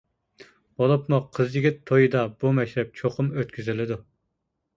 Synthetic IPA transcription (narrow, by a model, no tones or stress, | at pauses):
b̥olˠɨpmuqʰəzjiɡʲɪt̪ʰːojɨd̪ɑbumɛʃt̪ɛp̚t͡ʃʰoqʰʊmøt̪̚kʲyzɪlɪd̪u